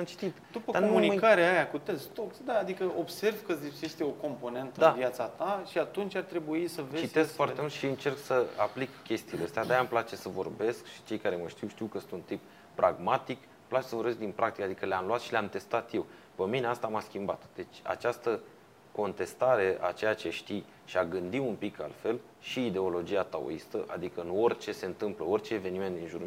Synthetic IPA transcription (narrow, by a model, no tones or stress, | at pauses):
amt͡ʃi̥t̪it̪d̪upəkd̪amunikaɾeajakut̪est̪oksd̪aːd̪ikəʔobse̞rvkəzije̞st̪eoko̞mpo̞ne̞nt̪əd̪aviat̪sat̪aʃiat̪unt͡ʃʲart̪ɾe̞buisəvet͡ʃizeskfoart̪t̪e̞mult̪ʃiɨnt͡ʃe̞rksəaplikkʲe̞st̪iːleəst̪ead̪ajamplat͡ʃe̞səvo̞̰rbe̞skʃi̥t͡ʃe̞jkaɾe̞məʃt̪iwʃt̪iwkəsɨnunt̪ip | pɾʔaɡmat̪ik | plat͡ʃe̞səvo̞ɾbe̞s̬kd̪inpɾak̚t̪ikad̪ikəleamluat̪ʃileamt̪e̞st̪at̪je̞w | pəmine̞ast̪amaskʲimbat̪d̪̥e̞t͡ʃʲa̰t͡ʃast̪ə | ko̞nt̪e̞st̪aɾe̞ʔa̰t͡ʃe̞jat͡ʃe̞ʃt̪i | ʃiaɡɨnd̪iumpikʰa̰lfe̞l | ʃiːd̪e̞o̞lo̞d͡ʒiat̪ao̰ist̪əʔad̪ikəɨno̞rʲt͡ʃe̞se̞ɨnt̪ɨmpləo̞rʲt͡ʃe̞ːve̞nime̞nt̪̚d̪inʒuɾ